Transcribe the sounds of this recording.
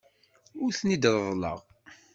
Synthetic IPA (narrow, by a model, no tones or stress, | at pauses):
ʊɾθnid̪ɾˤəðˤlə̰ʁ